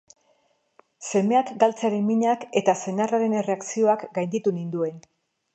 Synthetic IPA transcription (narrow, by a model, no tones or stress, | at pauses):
se̞me̞akɡalt͡seaɾemmiɲake̞t̪ase̞naraɾe̞ne̞re̞aksio̞akɡajnd̪it̪unind̪ue̞n